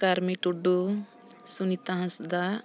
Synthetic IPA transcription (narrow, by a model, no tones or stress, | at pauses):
kaɾmiʈuɖu | sunit̪ãɦãsd̪a